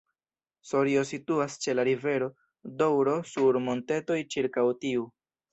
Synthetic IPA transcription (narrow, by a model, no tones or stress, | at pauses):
so̞ɾio̞situast͡ʃe̞laɾive̞ɾo̞ | dowɾo̞suɾmo̞nte̞to̞jt͡ʃiɾkawtiu